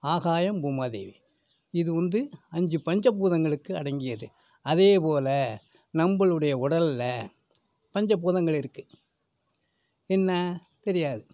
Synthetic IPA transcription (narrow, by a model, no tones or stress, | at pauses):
aːɣaːjɐmbuːmaːðḛːʋi | ɪðɯʋɐnd̪ɯɐɲd͡ʒɯpɐɲd͡ʒɐp̬ːuːðɐŋɡɐɭɯkːɯɐɽɐŋɡɪjɐðɯ | ɐðeːpoːlɐ | nɐmbɐɭɯɽɐjɐʊɽɐllɐ | pɐɲd͡ʒɐp̬ːuːðɐŋɡɐɭɪɾɯkːɯ̥ | ɛnːɐ | t̪ɛɾɪjaːðɯ